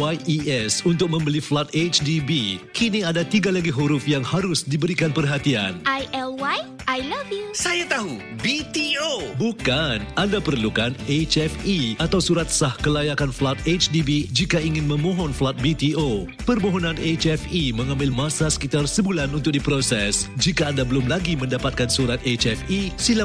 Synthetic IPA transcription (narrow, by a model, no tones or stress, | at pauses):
wajiɛsunt̪ʊk̚mə̃mbəliflat̪et͡ʃdibikʰiniadat̪iɡalaɡiɦuɾʊfjaŋhaɾʊsdibəɾikanpərɦat̪ia̰nʔajɛlwaj | ʔajlavjusajat̪aɦu | bit̪iobukanandapərlukanet͡ʃɛfiat̪awsuɾat̪̚sahkəlajakanflat̪̚et͡ʃdibid͡ʒikaiŋɪnmə̃mɔ̃ɦɔnflat̪̚bit̪io | pərmoɦɔnãnet͡ʃɛfiməŋãmbɪlmasasə̥kit̪arsəbulanunt̪ʊk̚dipɾosɛsd͡ʒikaːndabəlʊmlaɡimə̃ndapat̪̚kansuɾat̪et͡ʃɛfisila